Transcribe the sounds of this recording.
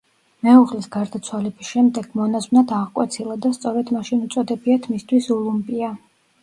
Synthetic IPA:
mɛuʁlisɡaɾd̪at̪sʰwalɛbisʃɛmd̪ɛɡ̥mɔnazmnad̪ʰaʁkʼwɛ̰t̪sʰilˠad̪ast̪sʼɔɾɛd̪maʃinut̪sʼɔd̪ɛbiat̪ʰmist̪ʰwisɔlˠumpʼia

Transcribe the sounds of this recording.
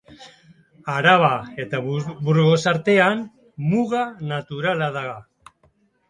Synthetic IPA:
aɾaβae̞t̪abuɾɣo̞saɾt̪e̞an | muɣanat̪uɾalaðaɣa

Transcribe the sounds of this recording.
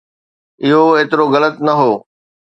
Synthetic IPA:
ɪɦoeːt̪ɪɾoɣɐlət̪nɐɦoː

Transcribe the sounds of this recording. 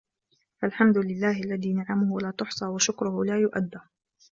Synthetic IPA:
falħamd̪ʊlɪlːaːhɪʔalːaðiːnaʕamʊhʊwalaːt̪ʊħsˤɑːwaʃʊkɾʊhʊlaːjʊʔa̰d̪ːaː

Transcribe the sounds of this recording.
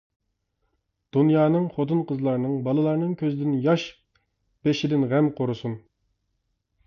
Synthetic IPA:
d̪̥unjɑːnɨŋχot̪ɨnqəzlˠɑɾnɨŋbɑlˠɨlˠɑɾnɨŋkʲʰøzɪd̪ɪnjɑʃ | b̥eʃɪd̪ɪnʁɛmqʰoɾɨsun

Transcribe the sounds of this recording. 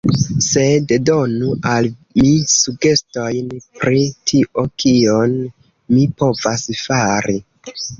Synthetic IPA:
se̞ddo̞nuʔalmisuɡe̞sto̞jnpɾitʰiʔo̞kʰio̞n | mipo̞vasfaɾi

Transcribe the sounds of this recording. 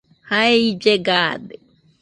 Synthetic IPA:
haeid͡ʒeɡad̪e

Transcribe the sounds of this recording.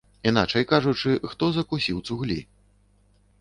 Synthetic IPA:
in̪a̰t͡ʂɐjkaʐut͡ʂɨxt̪ɔzɐkusʲiwt̪suɣlʲḭ

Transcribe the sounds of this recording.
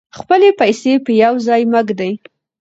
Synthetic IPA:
xpəlepajsepəjawzɑjməɡd̪aj

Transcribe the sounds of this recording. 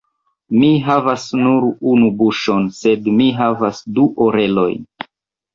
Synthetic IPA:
miɦavasnuɾunubuʃo̞nse̞dmiɦavasduʔoɾe̞lo̞̰jn

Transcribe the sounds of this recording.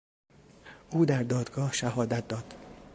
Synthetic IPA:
ʔuːd̪æɾd̪ɒːd̪ɡɒːhʃæɦɒːd̪æt̪̚d̪ɒːd̪̥

